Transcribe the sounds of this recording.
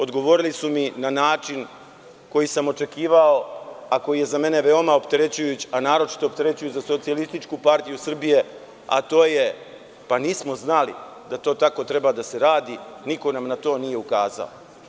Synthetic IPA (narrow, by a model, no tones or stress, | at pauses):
o̞d̪ɡo̞ʋo̞ɾilisuminanaːt͡ʃin | ko̞jisamo̞t͡ʃe̞kiːʋao̞ako̞jije̞zame̞ne̞ʋe̞o̞mao̞pt̪e̞ɾe̞t͡ɕujut͡ɕanaːɾo̞t͡ʃi̥t̪opt̪e̞ɾe̞t͡ɕujuzaso̞t̪sijalist̪it͡ʃkupaɾt̪ijusr̩bije̞ | a̰t̪o̞ːje̞ | paniːsmo̞znalḭ | d̪at̪o̞ːt̪ako̞t̪ɾe̞bad̪ase̞ɾaːd̪iniko̞namnat̪o̞ːnije̞ukaːza̰o